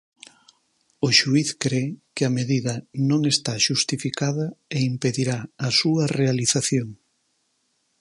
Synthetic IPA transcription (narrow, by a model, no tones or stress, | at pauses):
ʊʃuiθkɾekɪameðiðɐnõŋest̪aʃust̪ifikað̞ɐeimpeðiɾaɐsuɐrealiθaθjoŋ